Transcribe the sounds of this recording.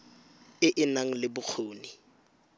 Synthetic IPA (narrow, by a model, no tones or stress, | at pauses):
ɪʔɪnaŋ̩lɪbʊk͡xʰoːni